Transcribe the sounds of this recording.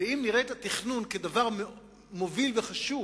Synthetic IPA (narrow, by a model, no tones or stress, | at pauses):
eimniʁet̪at̪iχnunked̪avaʁme | movilveχaʃu